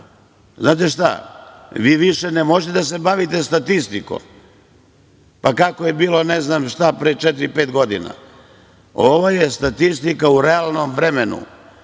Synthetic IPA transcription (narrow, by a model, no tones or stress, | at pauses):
znaːt̪eʃt̪a̰ʋiːʋiʃenemo̞ʒet̪ed̪as̬ebaʋit̪e̞st̪at̪ist̪iko̰m | pakakojebiːlo̞neznaːmʃt̪apɾet͡ʃɛt̪iɾipeːt̪ɡo̞d̪ḭna̰ | oʋojest̪at̪ist̪ikauɾeaːlˠnomʋɾemenṵ